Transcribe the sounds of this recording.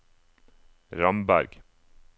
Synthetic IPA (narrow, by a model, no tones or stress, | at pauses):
ɾɑmbæɾɡ